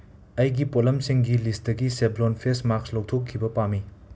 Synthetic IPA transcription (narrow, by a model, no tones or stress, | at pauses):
ɐjɡipolɐmsiŋɡilist̚dɐɡiseblonpʰesmakslok̚tʰokʰːibɐpami